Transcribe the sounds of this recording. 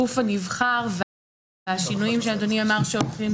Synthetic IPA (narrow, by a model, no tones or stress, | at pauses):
ufanivχaʁv | aʃinujimʃead̪oniamaʁʃeolχim